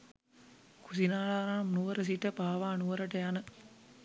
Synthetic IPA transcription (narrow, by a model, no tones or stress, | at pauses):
kusinaːlaːɾaːmnuʋɐɾɐs̬iʈːəpaːʋaːnuʋɐɾɐʈɐjanə